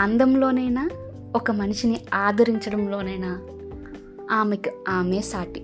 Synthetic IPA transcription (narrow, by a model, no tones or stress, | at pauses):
ɐnd̪ɐmlo̞ːnɐjnaː | ɔkɐmɐniʂiniaːd̪ɐɾiɲt͡ʃɐɽɐmlo̞ːnɐjnaː | aːmekiaːmeːsaːʈi